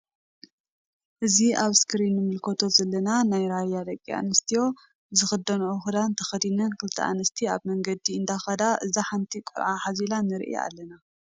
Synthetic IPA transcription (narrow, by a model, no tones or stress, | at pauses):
ʔɨziʔaβskʰɨɾinːɨmɨlkʰot̪ʰoz̥ɐlːɐnanajɾajːad̪ɐkʼːia̰nɨst̪ʰijo̞ | zɨxɨd̪ːɐnoxud̪ant̪ʰɐxɐd̪inɐnkʰɨlt̪ʰiʔa̰nɐst̪ʰiaβmɐŋɡɐd̪iɨnd̪axɐd̪aʔɨzaħant̪ʰikʷʼṵɾʕaħazilanɨɾʔḭa̰lːɐna